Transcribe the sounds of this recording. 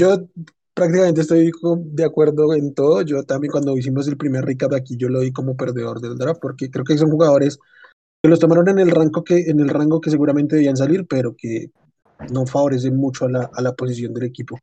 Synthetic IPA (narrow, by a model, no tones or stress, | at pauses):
d͡ʒo̞ | pɾak̚t̪ikame̞nt̪est̪ojkod̪eakwe̞ɾðo̞ent̪o̞ðoʝo̞t̪ambjeŋkwand̪ois̬imo̞s̬e̞lpɾime̞ɾrikaɾdoakiʝo̞loðiko̞mo̞p̬e̞ɾd̪e̞ðo̞ɾd̪e̞ld̪ɾafpo̞ɾke̞kɾe̞okes̬o̞nxuɣaðo̞ɾe̞s | ke̞lo̞s̬t̪o̞maɾo̞ne̞ne̞lraŋɡokeːne̞lraŋɡo̞ke̞s̬e̞ɣuɾament̪eeians̬aliɾpe̞ɾo̞ke̞ | no̞faβo̞ɾe̞s̬e̞nmut͡ʃo̞alaːlapo̞s̬is̬jo̞nd̪e̞le̞kipo̞